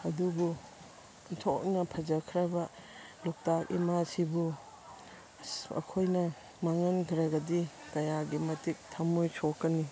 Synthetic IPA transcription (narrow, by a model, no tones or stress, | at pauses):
ɐdubu | ntʰɔk̚nɐpʰɐd͡ʒɐkʰɾɐbɐ | lɔk̚takḭmasibu | ɐ̰kʰojnɐ | maŋɐnɡʰɾɐɡɐdi | kɐjaɡimɐtik̚tʰɐmujsokːɐni